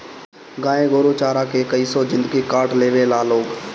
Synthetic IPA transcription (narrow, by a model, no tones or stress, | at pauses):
ɡãːẽːɡoːɾoːt͡ʃaːɾaːkeːkəiːsɔːzɪ̃nd̪əɡiːkaːʈleːʋeːlaːloːɡ